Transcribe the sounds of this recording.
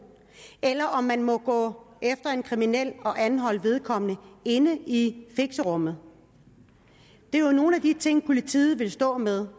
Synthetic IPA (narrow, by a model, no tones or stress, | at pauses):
elɐʔɒ̽mːænmɒ̽ɡ̥ɔ̰̽ː | efd̥ɐe̝nkʰʁiminel̰ɒ̽ʔænɦɒ̽l̰ʋe̝ð̞ˠkʰɒ̽m̰nəe̝nəifeɡ̥səʁɔ̽m̰ð̞̩ˠ | d̥e̝jo̝no̝ːn̩æd̥it͡sʰe̝ŋ̰pʰo̝lit͡sʰḭːð̩ˠʋe̝lsd̥ɔ̰̽ːmeðˠ